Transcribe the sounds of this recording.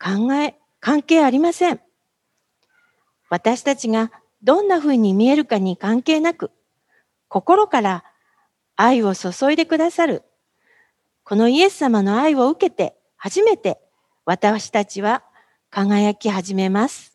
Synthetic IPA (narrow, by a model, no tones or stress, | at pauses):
kaŋɡae | kãŋke̞ːaɾʲimasẽ̞ɴ | βat̪aɕi̥t̪at͡ɕiɡa | d̪õ̞nːaɸɯ̟ːɲ̟imʲie̞ɾɯ̟kaɲ̟ikãŋke̞ːnakɯ̟ | ko̞ko̞ɾo̞kaɾaː | io̞so̞so̞id̪e̞kɯ̟d̪asaɾɯ̟ | ko̞no̞ie̞sːamano̞aio̞ɯ̟ke̞t̪e̞̰ | haʑime̞t̪e̞ | βat̪aɕi̥t̪at͡ɕiβa | kaŋajakʲiɦaʑime̞masɨ̥